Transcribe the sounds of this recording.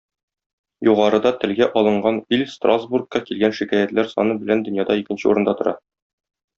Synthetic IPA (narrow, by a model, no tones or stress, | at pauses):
juʁɑɾɤ̆d̪ɑt̪ɘ̆lɡæʔɒlˠɤ̆ɴɢɑnilʲst̪razburkːɑkilɡænʃikæjæt̪læɾsɒ̰nɤbɘ̆lænd̪ɵ̆njɑd̪ɑikɘ̆nɕɘṵɾɤ̆nd̪ɑt̪ŏɾɑ